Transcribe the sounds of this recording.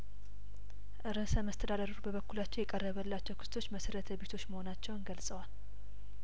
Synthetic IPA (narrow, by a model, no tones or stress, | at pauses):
ʔɨɾəsəməst̪ʰəd̪ad̪əɾɾubəβəkːulat͡ʃːɛwjɛkʼərːəβəlːat͡ʃːɛwkʰɨ̥st̪ʰo̞t͡ʃːməsəɾət̪ʰəβe̞t̪ʰo̞t͡ʃːməho̞nat͡ʃːɛwnɡəlsʼəwal